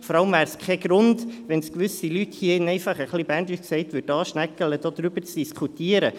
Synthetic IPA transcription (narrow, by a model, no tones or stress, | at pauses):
fɔɾɑləmvæːɾskχɛɡ̥ɾʊndʋɛnskʋʏsilythiəɪnɛɪfɑχəχlibændysksɛɪtʋʏd̥ɑːʃnækələd̥oːd̥̪ɾybəɾt͡sd̥iskʰutiːəɾə